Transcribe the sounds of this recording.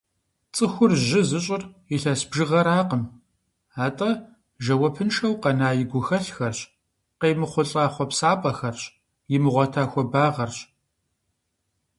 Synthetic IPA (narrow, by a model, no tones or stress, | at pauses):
t͡sʼɨxʷʊrʒɪzɨɕʼɪrjɪɬɐsbʒɨʁɐɾaːqəm | aːtʼɐ | ʒɐwɐpʰɨnʂɐwqɐnaːjɪɡʷʊxɐɬxɐrɕ | qeːmɨχʷʊɬʼaːχʷɔpsaːpʼɐxɐrɕ | jɪmɨʁʷɔtʰaːxʷɔbaːʁɐrɕ